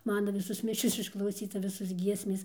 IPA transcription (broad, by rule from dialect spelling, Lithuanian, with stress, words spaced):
ˈmɑːnɐ ˈʋʲɪsoːs ˈmʲɪʃʲoːs ɪʃklˠɐʊˈsʲiːtɐ ˈʋʲɪsoːs ˈɡʲiɛsʲmʲeːs